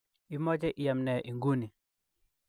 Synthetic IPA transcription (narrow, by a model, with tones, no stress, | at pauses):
i˨mɔ˦t͡ʃɛ˦ʔi˨ja˨mnɛ˨ʔi˨ŋɡu˦ni˨